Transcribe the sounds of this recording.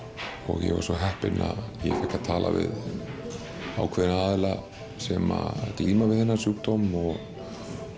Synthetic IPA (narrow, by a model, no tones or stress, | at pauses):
ɔɣjɛ̰va̰ɾsvɔɦɛhpɪnaðjɛfɛhkːat̪ʰaːlʔavɪð | aːwkʰvɛðɪnaaːðɪla | sɛmakliːmavɪðɛnːasjuːkt̪owmɔɣ